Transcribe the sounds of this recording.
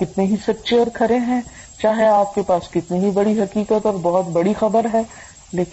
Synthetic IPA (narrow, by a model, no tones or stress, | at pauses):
kɪt̪neɦisɐtːʃeɔːɾkʰɐɾẽɦɛ̃ː | t͡ʃaːɦeaːp̚kepaːskɪt̪niɦibɐɽiɦɐkiːkət̪ɔːɾbɔɦʊt̪bɐɽixɐbəɾɦɛː | leːk